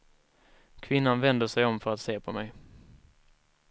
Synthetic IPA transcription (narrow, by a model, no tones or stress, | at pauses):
kʰvɪnːanvɛnd̪əʂɛjɔmfœɾat̪seːpʰɔmɛj